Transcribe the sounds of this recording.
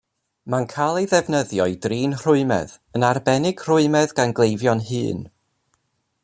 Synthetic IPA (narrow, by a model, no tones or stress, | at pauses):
mankʰalˠejðɛvnəðjɔɨdriːnr̥ʊɨmɛ̰ðənarbɛnɪɡ̥r̥ʊɨmɛðɡanɡlˠejvjɔnɦɨ̰ːn